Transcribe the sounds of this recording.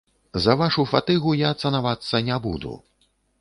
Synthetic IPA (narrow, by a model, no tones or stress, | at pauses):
zɐvaʂufat̪ɨɣujat̪sɐnavat̪sːɐnʲɛbṵd̪ṵ